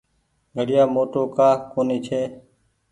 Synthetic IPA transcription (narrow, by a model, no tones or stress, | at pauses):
ɡʱəɽɪjaːmoːʈoːkaːkoːniːt͡ʃʰeː